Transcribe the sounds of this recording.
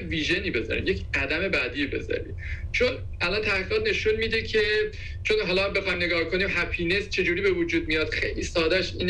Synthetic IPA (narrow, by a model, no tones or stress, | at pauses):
viːʒe̞niːbe̞zɒ̰ɾḭmje̞cʰʲɢæd̪æme̞bæd̪iːbe̞̰zɒ̰ɾḭː | t͡ʃʰo̞n | ʔælɒnt̪ʰæhʁiːʁɒːt̪̚ʰne̞ʃunmiːd̪ecʰe̞ | t͡ʃʰonɦɒːlɒæmbe̞xɒjmne̞ɡɒːhkʰo̞niːmɦæpʰine̞st͡ʃʰe̞d͡ʒuːɾiːbevud͡ʒuːd̪̚mijɒːd̪̥xḛjliːsɒːd̪æʃiːn